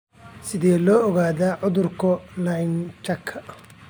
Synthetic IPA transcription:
sɪðɛːlɔːɔɣaːðaːʕʊðʊrkʰɔlɐjnt͡ʃɐkʰːɐ

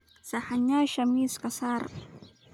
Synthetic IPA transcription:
saħaɲaʃamiːskasar

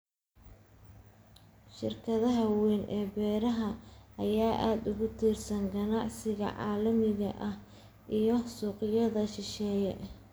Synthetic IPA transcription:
ʃɪ̰rkʰɐðɐɦɐwiːnʔɛːbɛːɾɐɦɐʔɐjaːʔaːd̪ʊɣʊt̪ʰiːrsɐŋɡɐnɑʕsɪɣɐ̰ʕɑ̰ːlɐmɪɣɐ̰ʔɐh | ʔijɞsuːqɪjɐðɐʃɪʃɛːjɛ

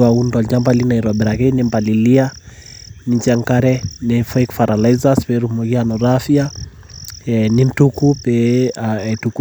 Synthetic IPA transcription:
aundɔd͡ʒambalinaiɾwabɛɾaɣɛnimbalilia | nit͡ʃaŋkaɾɛnɛfajkfaɾalazaspɛɾumɔɣianɔɾafia | nim̩tukupɛatuk

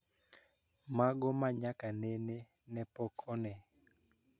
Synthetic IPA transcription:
maɡɔmaɲakanɛne | nɛpɔkʰɔnɛ

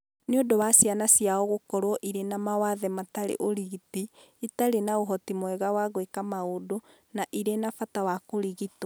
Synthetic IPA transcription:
neodowasjanasjaɔɣokɔɾɔʔiɾenamawaðɛmataɾḛʔoɾiɣiti | itaɾenaoɦɔtimwɛɣawaɣwekamaodo | naʔiɾenafatawakoɾiɣito

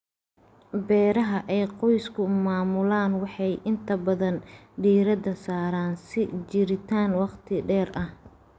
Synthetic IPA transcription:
bɛːɾɐɦɐʔɛjqɔjskʰʊmaːmʊlaːnwɑħɑjʔɪnt̪ʰɐbɐðɐnɖiːɾɐd̪ɐsaːɾaːnsɪt͡ʃɪɾɪt̪ʰaːnwɑqt̪ʰɪɖɛːrʔɐh

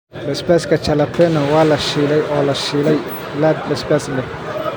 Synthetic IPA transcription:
bɛsbɛːskʰɐt͡ʃʰɐlɐpʰɛnɐwɑːlɐʃiːlɛjʔɔːlɐʃiːlɛj | lad̪̚bɛsbɛslɛ

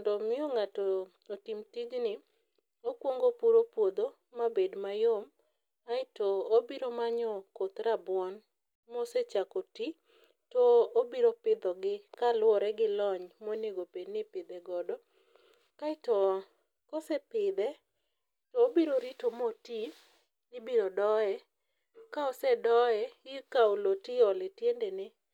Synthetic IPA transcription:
ndɔmɪɔŋatɔ | otimtid͡ʒnɪ | okwoŋɡopuɾopwod̪o | mabedmajom | aɪtɔobiɾomaɲɔkot̪ɾabwɔn | moset͡ʃakoti | tɔobiɾopɪd̪ɔɡɪkalwɔɾɛɡɪlɔɲmoneɡopeɲnɪpɪd̪ɛɡɔdɔ | kaɪtɔ | kɔsɛpɪd̪ɛ | tɔːbiɾoɾitomoti | nɪbiɾodɔɛ | kaɔsɛdɔɛɡɪkaulotiɔlɛtjendenɪ

